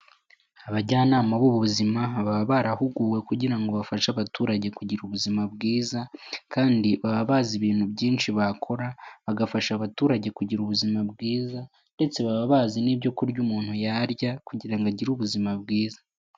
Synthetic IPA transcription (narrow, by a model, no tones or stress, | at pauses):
aβaɟaːnaːmaβuβuβuzimaβaββaɾahuɡuːwe̞kuɟiɾaŋɡo̞βafaʃaβatuːɾaɟe̞kuɟiɾuβuzimabɡiːzakaːndiβaβaβaːziβiːn̥hubɟiːnʃiβakʰo̞ɾaβaɡafaʃaβatuːɾaɟe̞kuɟiɾuβuzimabɡiːza | nde̞t͡se̞βaβaβaːzinibɟo̞kuɾɟumuːn̥hujaɾɟakuɟiɾaŋɡaɟiɾuβuzimabɡiːzḁ